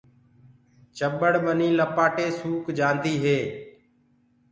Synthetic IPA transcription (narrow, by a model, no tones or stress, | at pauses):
t͡ʃəɓəɽɓəniːləpaːʈeːsuːkd͡ʒãːnd̪iːɦeː